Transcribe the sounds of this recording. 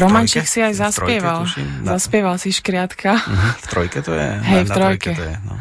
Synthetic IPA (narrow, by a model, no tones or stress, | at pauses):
ɾɔmant͡ʃiksiajzaspɪɛʋalzaspjɛʋalsiʃkɾɪat̪kʰaft̪ɾɔjkɛt̪ɔjɛ̰ɦɛjft̪ɾɔjkɛ̰